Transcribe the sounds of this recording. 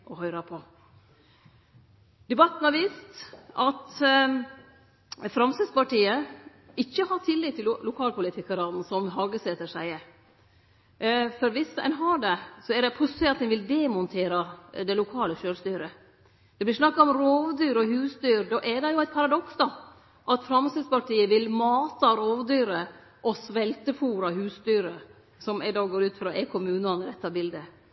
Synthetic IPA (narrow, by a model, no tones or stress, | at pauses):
ʔɔhœʏɾɑpʰɔ | d̪ɛbɑt̪ːn̩hɑɾʋɪːst̪ʔɑt̪ | fɾɑmsəspɑʈiːə | ɪçːəhɑɾt̪ʰɪlːɪt̪ːɪllʊkʰɑːlpʊlɪt̪ʰɪkɑɾɑn̩sɔmɦɑːɡəsɛt̪əʂæɪ | fɔɾʋɪsæ̰ɪnɦɑːɖɛsɔɛɖɛpʰʊsɛɑt̪ːɛnʋɪld̪ɛmʊnt̪ʰeːɾɑd̪ɛlʊkʰɑːləʃøːɾst̪yːɾə | d̪̥ɛblɪʂnɑkːɑɔmɾoːʋd̪yːɾɔhʉːsd̪yːɾd̪ɔʔɛɖɛjʊæɪt̪̚pʰɑɾɑd̪ɔksd̪ɑ | ʔɑt̪fɾɑmsɪd̪spɑʈʰiːəʋɪlmɑːt̪ɑɾoːʋd̪yːɾə | ʔɔsʋɛlt̪əfuːɾɑɦʉːsd̪yːɾə | sɔmæɪd̪ɑːɡoːɾʉːt̪fɾɑːʔɛkʰʊmʉːnɑnəɾɛt̪ːɑbɪld̪ə